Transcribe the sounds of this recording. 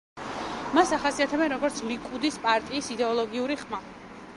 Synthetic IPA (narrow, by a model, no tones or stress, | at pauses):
masaχasiat̪ʰɛbɛnɾɔɡɔɾt̪sʰlikʼud̪ispʼaɾt̪ʼiːsid̪ɛɔlˠɔɡiuɾiχma